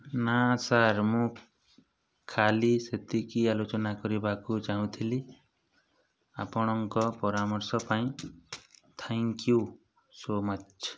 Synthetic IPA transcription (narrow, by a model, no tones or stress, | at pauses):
nasaɾmũ | kʰaliset̪ʰikialot͡ʃɔnakɔɾibakut͡ʃaɦũt̪ʰili | apɔɽ̃ɔŋkɔpɔɾamɔɾsɔpaĩ | t̪ʰɛŋkju | somat͡ʃʰ